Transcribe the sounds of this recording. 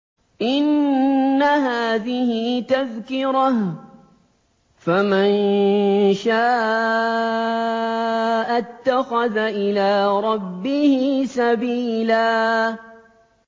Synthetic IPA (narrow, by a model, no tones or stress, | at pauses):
ʔɪnː | aɦaːðɪhɪt̪aðkɪɾah | faman | ʃaːʔ | ʔat̪ːaxaðaʔɪlaːɾˤɑbːɪhɪsabiːlaː